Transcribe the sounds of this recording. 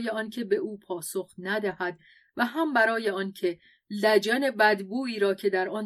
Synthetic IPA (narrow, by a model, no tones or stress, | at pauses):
jeɒncʰe̞be̞ʔuːpʰɒːsoxnæd̪æhæd̪ | væɦæmbæɾɒːje̞ɒːncʰe̞ | læd͡ʒæne̞bæd̪buːiːɾɒːcʰe̞d̪æɾɒn